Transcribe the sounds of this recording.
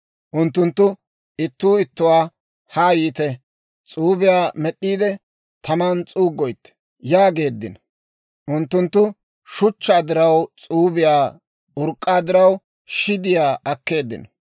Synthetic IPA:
ʔʊnt̪ːʊnt̪ːʊ | ɪt̪ːuːɪt̪ːʊwaː | haːjiːt̪ɛ | t͡sʼuːbɪjaːmɛɗːiːd̪ɛ | t̪ʰɐmant͡sʼuːɡːɔjt̪ːɛ̥ | jaːɡe̞ːd̪ːɪ̰n | ʔʊnt̪ːʊnt̪ːʊ | ʃʊt͡ʃːaːd̪ɪɾɐwt͡sʼuːbɪjaː | ʊɾkʼːaːd̪ɪɾɐw | ʃɪd̪ɪjaːʔɐkːe̞ːd̪ːɪ̰n

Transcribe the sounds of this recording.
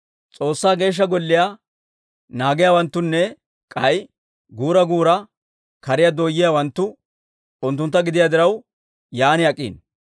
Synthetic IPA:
t͡sʼo̞ːsːaːɡe̞ːʃ̬ːɐɡɔlːɪja | naːɡɪjaːwɐnt̪ːʊnːɛ | kʼɐj | ɡuːɾɐɡuːɾɐ | kɐɾɪjad̪oːjːɪjawɐnt̪ːʊ | ʊnt̪ːʊnt̪ːɐɡɪd̪ɪjad̪ɪɾɐw | jaːnɪɐkʼːḭːn

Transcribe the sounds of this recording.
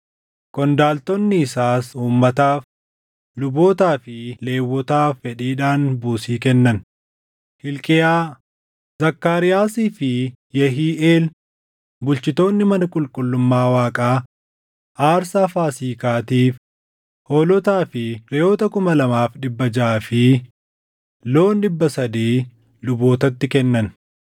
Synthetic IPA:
kɔnd̪aːlt̪ɔnːɪːsaːsuːmːɐt̪aːf | lʊbo̞ːt̪aːfɪle̞ːwːɔt̪aːfːɛᶑiːᶑaːnbuːsiːkɛnːɐn | hɪlkʼɛjaː | zɐkːaːɾɪjaːsiːfɪ | jɛɦiːʔeːl | bʊlt͡ʃɪt̪o̞ːnːɪmɐnɐkʼʊlkʼʊlːʊmːaːwaːkʼaː | ʔaːɾsaːfaːsiːkaːt̪iːf | hoːlɔt̪aːfɪɾɛjo̞ːt̪ɐkʊmɐlɐmaːfᶑɪbːɐd͡ʒaːfɪ | lo̞ːnɗɪbːɐsɐd̪iː | lʊbo̞ːt̪ɐt̪ːɪkɛnːɐn

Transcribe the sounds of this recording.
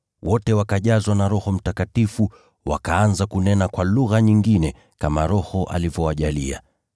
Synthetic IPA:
wʔɔtɛwakaʄazwanaɾɔhɔm̩takatifu | wa̰kaanzakunɛnakwaluɣaɲiŋɡinɛ | kamaɾɔhɔʔa̰livjɔwaʄalia̰

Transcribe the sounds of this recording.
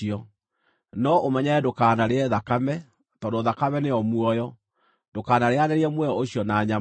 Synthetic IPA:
iɔ | nɔʔomɛɲɛɛdokaːnaɾeɛðakamɛ | tɔndoðakamɛneɔmwɔjɔ | dokaːnaɾeaneɾeɛmwɛjɔoɕjɔnaɲa

